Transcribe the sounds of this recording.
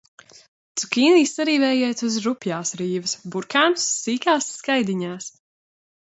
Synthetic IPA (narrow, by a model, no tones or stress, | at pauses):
t̪sukʲiːniːsaɾiːvɛjɛːt̪uzɾupjaːsɾiːvɨsbuɾkaːmsːiːkaːsːkajd̪iɲaːs